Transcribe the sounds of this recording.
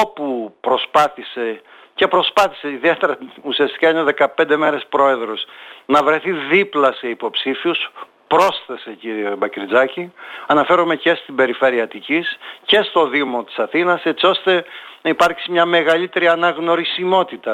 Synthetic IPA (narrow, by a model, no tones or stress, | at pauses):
opupɾo̞spɐθise̞ | ce̞pɾo̞spɐθi̥se̞iðie̞t̪e̞ɾɐusiɐst̪i̥kɐineoðe̞kɐpe̞nd̪e̞me̞ɾe̞spɾo̞e̞ðɾo̞snɐvɾe̞θiðiplɐse̞ipo̞psifius | pɾo̞sθe̞se̞ciɾiebɐkɾid͡zɐciɐnɐfe̞ɾome̞ce̞st̪ibe̞ɾife̞ɾiɐt̪icisce̞st̪o̞ðimo̞t̪i̥sɐθinɐse̞t̪sio̞st̪e̞nɐipɐɾksimɲɐme̞ɣɐlit̪e̞ɾiɐnɐɣno̞ɾisimo̞t̪it̪ɐ